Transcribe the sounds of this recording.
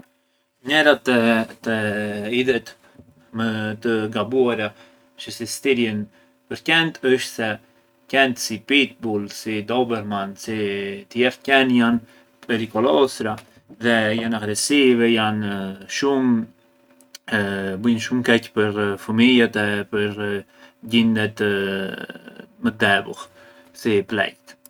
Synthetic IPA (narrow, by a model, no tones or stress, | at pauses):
ɲɛɾat̪t̪əiðɛt̪ | mət̪əɡabuaɾa | t͡ʃəsist̪iɾjən | pəɾcɛnt̪əʃt̪sɛ | cɛnt̪sipit̪̚bulsid̪ɔbɛɾmansit̪əjɛɾt̪̚cɛnjan | pɛɾikɔlɔsɾa | ðɛjanaɡɾɛsivɛjanʃum | bujnʃumkɛcpəɾfəmilat̪ɛpəɾ | ɟind̪ɛt̪ | məd̪ɛbṵh | siplɛ̰jt̪